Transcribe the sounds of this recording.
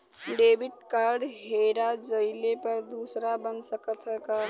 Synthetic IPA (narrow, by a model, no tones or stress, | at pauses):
ɖebiʈ̚kaɾɖɦeɾad͡ʒəɪlepəɾd̪usɾabənsəkət̪ɦəka